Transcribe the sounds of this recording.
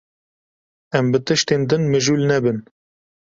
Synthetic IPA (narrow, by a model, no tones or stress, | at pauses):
ɛmbɨt̪ɨʃt̪eːnd̪ɨnmɨʒuːlnɛbɨn